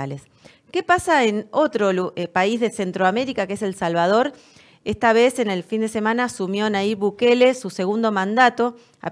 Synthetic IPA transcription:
a̰les | ke̞pasaeno̞t̪ɾolpaizðe̞se̞nt̪ɾoame̞ɾikakeese̞lsalβað̞o̞ɾ | est̪aβe̞se̞ne̞lfind̪e̞se̞manasumjonaiβukelesuse̞ɣund̪o̞mãnd̪at̪o̞ | a̰

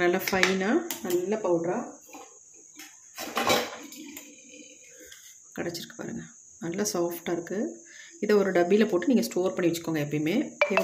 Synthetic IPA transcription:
nɐlːɐfɐɪnaːnɐlːɐpɐʊʈɾaː | kɐɽɛt͡ʃːɪɾɯkːɯ̥pa̰ːɾɯ̰ŋɡɐ | nɐlːɐsaːfʈaːɪɾɯkːɯ | ɪðɐɔɾɯɖɐbiɪlɐpoːʈːɯniːŋɡɐsʈoːɾpɐɳːɪʋɐt͡ʃːɯ̥kːoːŋɡɐɛpːɐjmeːe

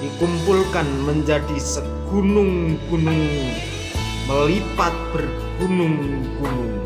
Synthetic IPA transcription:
d̥ikumpulkanməɲd͡ʒadisə | ɡ̥unʊŋɡ̥unʊŋ | məlipat̪̚b̥ər | ɡ̥unʊŋ | ɡ̥unʊŋ

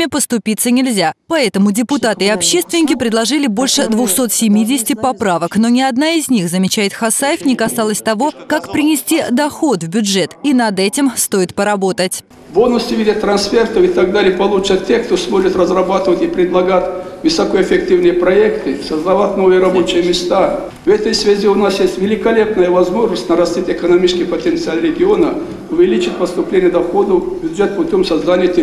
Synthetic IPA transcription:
mʲɪpəst̪ʊpʲit̪sənʲɪlʲzʲapɐɛt̪əmʊdʲɪpʊt̪at̪ɨɪɐpɕːe̞st̪vʲɪnʲɪkʲɪpɾʲɪd̪lˠɐʐɨlʲɪbo̞lʲʂɨd̪vʊxso̞t̪sʲɪmʲidʲɪsʲɪ̥tʲɪpɐpɾavəkno̞nʲɪɐd̪naɪzʲnʲixzəmʲɪt͡ɕæjɪt̪xɐsajɪfnʲɪkɐsalˠəsʲt̪ɐvo̞kakpɾʲɪnʲɪsʲtʲid̪ɐxo̞t̪vbʲʊʐɛt̪inɐd̪ɛtʲɪmst̪o̞ɪt̪pəɾɐbo̞t̪ətʲ | volˠnəsʲt̪ʲʊvidʲət̪ːɾɐnsfʲert̪əfɪt̪ɐɡ̚d̪alʲɪəpɐlˠut͡ʃɐtʲːexkt̪osmoʐɪt̪rəzrɐbat̪ɨvət̪ʲipɾʲɪd̪lˠɐɡatʲvɨsɐkoefʲɪktʲivnɨjəpɾɐɛkt̪ɨsəzd̪ɐvat̪ʲnovɨjəɾɐbo̞t͡ʃɪjəmʲɪst̪a | vɛt̪əjsvʲazʲiʊnasjesʲtʲvʲɪlʲɪkɐlʲe̞pnəjəvɐzmo̞ʐnəsʲtʲnəɾɐsʲt̪ʲitʲɛkənɐmʲit͡ʃskʲɪpət̪ʲent̪sɨalʲɾʲɪɡʲɪonə | ʊvʲɪlʲit͡ʃɪt̪ʲpəst̪ʊplʲenʲɪjəd̪ɐxod̪əbʲʊd̪ʐɛt̪̚pʊtʲo̞msɐzd̪anʲɪjət̪ʲe

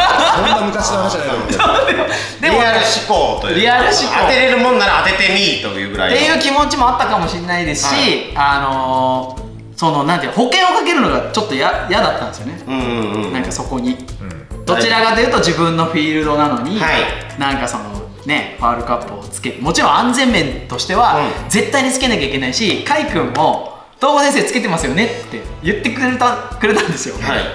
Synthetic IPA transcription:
oamʲitaɕinohanaiasod̪emo | d̪e̞oaɾɯɕi̥koːt̪oɾʲiaɾɯ̟ɕi̥koot̪eɾeɾɯ̟mõ̞nːaɾaat̪e̞t̪e̞miːt̪o̞jɯ̟ːɡɯ̟ɾa̰t̪e̞jɯ̟ːkʲimo̞t͡ɕimo̞at̪ːakamo̞ɕinːaid̪e̞sɨ̥ɕiano̞ | so̞no̞nãnt̪eikːho̞kẽ̞ɰ̃o̞kake̞ɾɯ̟no̞ɡat͡ɕo̞t̪ːo̞jajad̪at̪ːãnd̪sɨjonẽnãŋkaso̞ko̞ɲ̟i | d̪̥o̞t͡ɕiɾaɡad̪ejɯ̟ːt̪od͡ʑibɯ̟̃nːo̞ɸʲiːɾɯ̟d̪o̞nano̞ɲ̟ianãŋkaso̞no | ne̞ɸaːɾɯ̟kapːɯot͡sɨ̥ke̞t̪emo̞t͡ɕiɾõ̞ãnzẽ̞mːẽ̞nt̪o̞ɕi̥t̪e̞βad͡ze̞t̪ːaiɲ̟it͡sɨ̥ke̞nakʲaikʲe̞naiɕikaikɯ̟̃mːo̞ | d̪̥o̞ːɡosẽs̬eːt͡sɨ̥ke̞t̪e̞masɨjo̞ne̞t̪ːe̞jɯ̟t̪ːe̞kɯ̟ɾet̪akɯɾe̞t̪ãnd̪e̞sɨjo

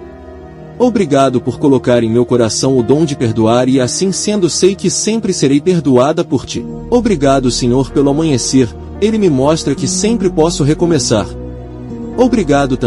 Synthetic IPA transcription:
obɾiɡad̪ʊpoɾkolokaɾẽj̃mewkoɾasɐ̃w̃ʊd̪õw̃d͡ʒɪpeɾd̪uaɾɪasĩsẽnd̪ʊsejkɪsẽmpɾɪseɾejpeɾd̪uad̪ɐpoɾt͡ʃḭ | obɾiɡad̪ʊsẽɲoɾpelʊamɐ̃ɲeseɾ | elɪmɪmɔʃt̪ɾɐkɪsẽmpɾɪpɔsʊɦekõmesa̰ɾ | obɾiɡad̪ʊt̪ɐ̃

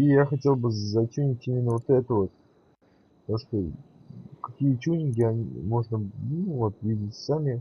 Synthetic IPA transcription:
ijaxɐtʲe̞lˠbɨzɐt͡ɕʲunʲɪtʲimʲɪnːəvo̞t̪ɛt̪əvo̞t̪̚ | poʂt̪ə | kɐ̥kʲijət͡ɕʲunʲɪɡʲɪɐnʲḭmo̞ʐnənuvot̪vʲidʲɪtʲsamʲɪ

